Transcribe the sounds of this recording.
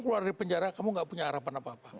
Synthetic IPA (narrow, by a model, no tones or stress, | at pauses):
ŋkluardipəɲd͡ʒaɾakamuŋɡaʔpuɲaːɾapanapaːpa